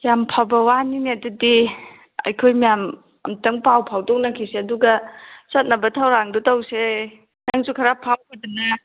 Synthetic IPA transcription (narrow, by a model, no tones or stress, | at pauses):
jampʰabɐwaniniɐdɐdi | ɐ̰jkʰojmijam | ɐ̰mtɐŋpawpʰawdɔk̚nɐkʰiseɐduɡɐsɐt̚nɐbɐtʰawɾaŋdutɐwse | nɐŋsukʰɐɾapʰawkʰɐdɐnɐ